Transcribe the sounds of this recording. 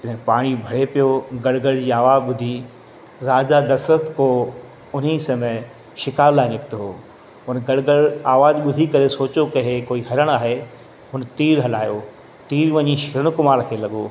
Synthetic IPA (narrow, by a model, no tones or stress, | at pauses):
t̪ɐnɛ̃paːɽ̃ibʱɐɽepijoɡɐɽɡəɽd͡ʑiːaːʋaːd͡ʑɓʊd̪ʱi | ɾaːd͡ʑad̪ɐsət̪ʰko | ʊnisɐme | ʃɪkaːɾlaːɪnɪkt̪ɦoː | ʊnɡɐɽɡəɽaːʋaːd͡ʑɓʊd̪ʱikɐɾesoːt͡ɕokɐɦekoːiɦɐɾəɽ̃aːɦe | ɦʊnt̪iːɾɦɐlaːjo | t̪iːɾʋɐɲiʃɪɾəɽ̃ʊkʊmaːɾkʰeːlɐɠoː